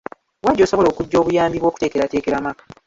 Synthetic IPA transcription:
waɟːo̞ːso̞βo̞lo̞ːkuɟːo̞ːβujaːmbiβwo̞ku̥te̞ːke̞ɾate̞ːke̞ɾamakḁ

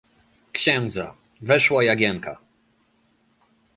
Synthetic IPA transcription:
kɕɛnd̪za | vɛʂwajaɡʲjɛŋkʰa̰

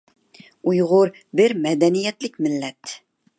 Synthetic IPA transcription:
ujʁʊɾ | bɪɾmɛd̪ɛnijɛt̪lɪk̚ʲmɪlːɛt̪

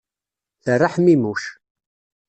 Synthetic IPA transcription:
θərˤːaħmimuʃ

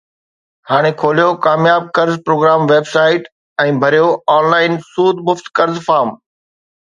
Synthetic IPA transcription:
haːɽ̃ekʰoːlijokaːmjaːb̚kɐɾzpɾoːɡɾaːmʋeːbsaːɪʈ | ɛ̃ːbʱɐɾijoaːnlaːɪnsuːd̪mʊft̪kɐɾzfaːɾm

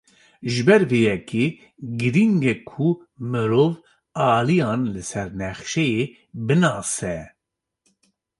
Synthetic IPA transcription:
ʒɨbɛɾvejɛkeː | ɡɨɾiŋɡɛkʰu | mɨɾoːv | ɑːlijɑ̃ːnlɨsɛɾnɛxʃɛje | bɨnɑːsɛ

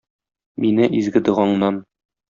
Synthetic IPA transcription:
minɘʔizɡɘ̆d̪ɤ̆ʁɑɴnɑn

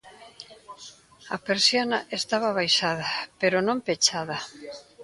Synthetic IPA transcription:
ɐpeɾsjanɐʔest̪aβɐβajʃaðɐpeɾʊnõmpet͡ʃaðɐ

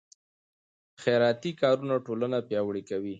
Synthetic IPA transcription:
xeɾɑt̪ikɑɾunaʈolənapjɑwɽikawi

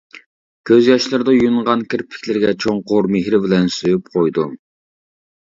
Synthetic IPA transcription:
kʲʰøzjɑʃlˠɨɾd̪ɑjunʁɑnkʲʰɪɾpʰɪ̥kʲʰlɪɾɡʲɛt͡ʃʰoŋqʰoɾmeɦɾɪbɪlɛnsøjyp̚qʰojd̪u

